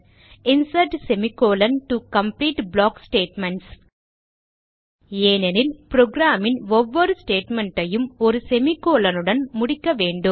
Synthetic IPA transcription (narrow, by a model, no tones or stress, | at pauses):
ɪnsɐɾɖsɛmikːoːlɐnʈukɐmpliːʈblaːksʈeːʈmɐɳʈs | eːnenɪlpɾoːɡɾaːmɪnɔʋːɐɾɯsʈeːʈmɛɳʈɐjɯmɔɾɯsɛmikːoːlɐnɯɽɐnmʊɽɪkːɐʋeːɳɖɯm